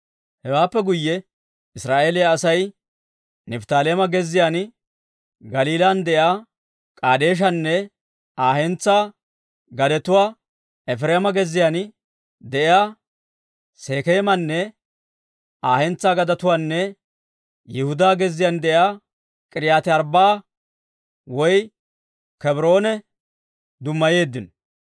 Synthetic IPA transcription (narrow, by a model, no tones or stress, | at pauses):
hɛwaːpːɛɡʊjːɛ | ɪsɾaːʔe̞ːlɪjaːsɐj | nɛft̪aːleːmɐɡɛzːɪjaːn | ɡɐliːlaːnd̪ɛʔjaː | kʼaːd̪e̞ːʃ̬ɐnːɛ | aːhɛnt͡sːaː | ɡɐd̪ɛt̪ʊwaː | ɛfɾeːmɐɡɛzːɪjan | d̪ɛʔɪjaː | se̞ːkeːmɐnːɛ | aːhɛnt͡sːaːɡɐd̪ɐt̪ʊwaːnːɛ | jɛhʊd̪aːɡɛzːɪjand̪ɛʔjaː | kʼɪɾɪjaːt̪ɪɐɾbaː | wɔj | kɛbɾo̞ːnɛ | d̪ʊmːɐje̞ːd̪ːɪnɔ